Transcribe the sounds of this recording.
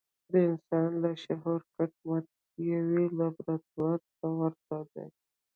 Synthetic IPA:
d̪əɪnsɑnlaʃaɦoɾkaʈ̚mat̪̚ | jawelabɾat̪̚waɾt̪awəɾt̪ad̪a̰j

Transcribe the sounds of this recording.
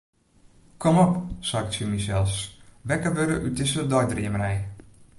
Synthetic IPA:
kʰɔmɔpsaktsimisɛlˠsʋɛkəʋøɾəʔytɪsədɔjdriəmrɛj

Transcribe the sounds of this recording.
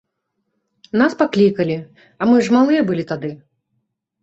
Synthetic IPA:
naspaklʲikɐlʲi | ɐmɨʐmalˠɨjɛɐbɨlʲit̪ad̪ɨ

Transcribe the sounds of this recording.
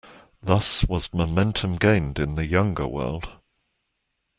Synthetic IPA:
ðʌswɒzməmɛ̃ntʰə̃mɡẽɪ̃ndɪ̃nðəjʌ̃ŋɡə̰wɜ̰ːlˠd̥

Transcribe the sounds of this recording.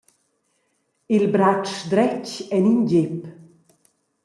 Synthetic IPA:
ilbɾat͡ʃd̪ɾɛcɛninɟep

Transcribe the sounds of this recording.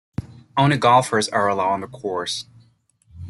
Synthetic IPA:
õʊ̃ñɨɡɑlˠfə˞zə˞əlaʊɪ̃ŋðəkʰɔɹs

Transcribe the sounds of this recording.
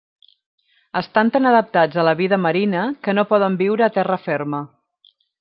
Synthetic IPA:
əst̪ant̪anəðəp̚t̪ad͡zələβiðəməɾinəkənopɔð̞əmbiwɾəːt̪ɛrəfɛrmə

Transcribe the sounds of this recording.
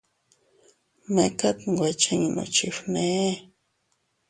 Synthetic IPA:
mekat̪wʷat͡ʃaŋno̰t͡ʃiɸne

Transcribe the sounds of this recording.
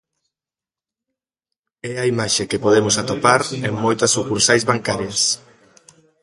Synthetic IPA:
ɛɐimaʃekepoðemʊsat̪opaɾeŋmojt̪ɐsukuɾsajzβaŋkaɾjɐs

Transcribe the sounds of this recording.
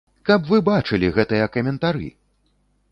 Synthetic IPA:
kɐpvɨbat͡ʂɨlʲiɣɛt̪ɨjɐkɐmʲɛnt̪aɾɨ̰

